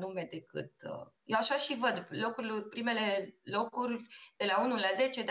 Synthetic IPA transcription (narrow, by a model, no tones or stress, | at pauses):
nume̞d̪e̞kɨ̰t̪̚jewaʃaʃivəd̪lo̞kuɾlopɾime̞le̞lo̞kurʲd̪̥e̞launulaze̞t͡ʃe̞d̪